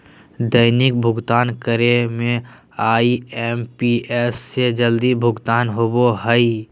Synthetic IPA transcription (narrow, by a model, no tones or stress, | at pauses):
d̪əɪnik̚bʱʊɡt̪aːnkəɾemẽ | aːiɛːmpiɛːsːed͡ʒəld̪ibʱʊɡt̪aːnɦoboɦəi